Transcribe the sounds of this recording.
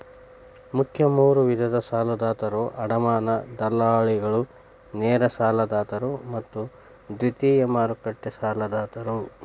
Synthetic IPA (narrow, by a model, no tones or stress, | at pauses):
mukʰjɐmuːɾuʋid̪ʱɐd̪ɐsaːlɐd̪aːt̪ɐɾoːʔɐɽɐmaːnɐd̪ɐlːaːɭiɡɐɭu | nɛːɾɐsaːlɐd̪aːt̪ɐɾumɐt̪ːu | d̪ʋit̪iːjɐmaːɾukɐʈːesaːlɐd̪aːt̪ɐɾu